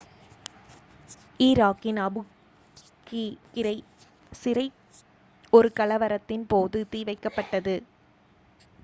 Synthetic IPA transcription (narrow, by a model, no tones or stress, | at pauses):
iːɾaːkːɪnɐbɯ | kikːɪɾɐɪ | sɪɾɐɪ | ɔɾɯkɐlɐʋɐɾɐt̪ːɪnpoːðɯt̪iːʋɐɪkːɐpːɐʈːɐðɯ